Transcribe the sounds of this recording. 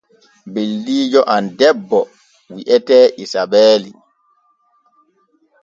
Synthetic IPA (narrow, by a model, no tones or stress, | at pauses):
belːiːd͡ʒɔʔandɛbːɔ | wiʔɛtɛːʔisabɛːli